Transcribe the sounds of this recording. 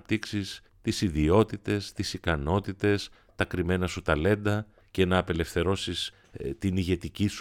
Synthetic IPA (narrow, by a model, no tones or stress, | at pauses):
p̚t̪iksis | t̪isiðio̞t̪it̪e̞st̪isikɐno̞t̪it̪e̞s | t̪ɐkɾime̞nɐsut̪ɐle̞nd̪ɐ | ce̞nɐːpe̞le̞fθe̞ɾo̞sis | t̪iniʝe̞t̪icis